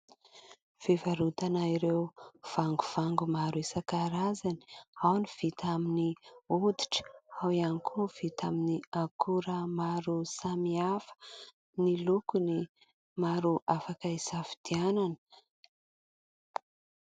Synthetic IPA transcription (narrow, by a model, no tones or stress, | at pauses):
v̥ivaɾut̪anaiɾewv̥aŋɡuv̥aŋɡumaɾuisakaɾazani̥awniv̥it̪aminiud̪i̥ʈ͡ʂə̥awianikʰuv̥it̪aminiakʰuɾəmaɾusamiafə̥ | nilukuni | maɾuʔafakəisafi̥d̪iananə